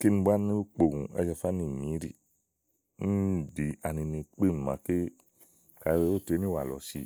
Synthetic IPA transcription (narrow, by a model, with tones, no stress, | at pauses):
ki˦ni˧ba˦ni˦u˦k͡po˨ŋṵ̃˨a̰˧d͡ʒa˧fa˦nĩ˨ɲĩ˨˦ɾḭ˨ | ni˦˨di˨a˨nĩ˧nĩ˨k͡pi˦˨n˨mã̰˨ke˦ | ka˨ɾe˧˦o˦˨te˨˦nĩ˦wa˨lɔ̰˨sḭ˧˦